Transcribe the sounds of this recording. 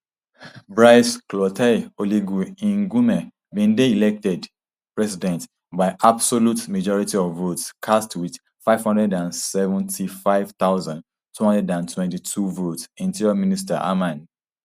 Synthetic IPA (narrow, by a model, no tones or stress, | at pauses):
bɹaɪsklɔtʰɛoliɡuĩnɡumɛ | bĩndeilɛk̚tɛd | pɹɛsidɛ̃nt | baɪʔabsolutmad͡ʒɔɹitiɔvːotskʰastwið̥ | faɪv̥hɔ̃ndɹɛdãnsɛvə̃ntʰifaɪv̥t̪aʊzãnd | tːuhɔ̃ndɹɛdãntʰwɛ̃ntitʰuvotsĩntiɹaminista̰ʔa̰mãn